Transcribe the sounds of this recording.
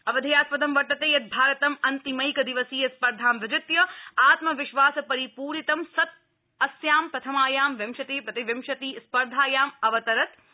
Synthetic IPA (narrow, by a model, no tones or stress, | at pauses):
ɐʋɐd̪ʱɐjaːspɐd̪ɐmʋɐɾt̪ːɐt̪eːjɐt̪̚bʱaːɾɐt̪ɐmɐnt̪imɐjkɐd̪iʋɐsiːjɐspɐɾd̪ʱaːmʋɪd͡ʒɪt̪jɐaːt̪mɐʋɪʃʋaːsɐpɐɾipuːɾit̪ɐmsɐt̪̚ | ɐsjaːmpɾɐt̪ʰɐmaːjaːmʋɐmʃɐt̪eːpɾɐt̪iʋɐmʃɐt̪iːspɐɾd̪ʱaːjaːmɐʋɐt̪ɐɾɐt̪̚